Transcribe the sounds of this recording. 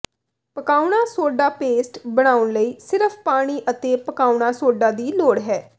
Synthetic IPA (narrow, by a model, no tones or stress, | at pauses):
pəkaːʊɳaːsoːɖaːpeːsʈbəɽ̃aːʊnləiːsɪɾəfʰpaːɽ̃iːʔət̪eːpəkaːʊɳaːsoːɖaːd̪iːloːɽɦɛː